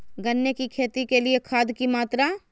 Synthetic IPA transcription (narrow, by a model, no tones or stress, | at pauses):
ɡɐnːjekikʰeːt̪ikeliekʰaːd̪kimaːt̪ɾa